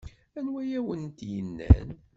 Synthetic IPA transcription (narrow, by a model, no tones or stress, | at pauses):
ænwæjæwənt̪jənːæ̰n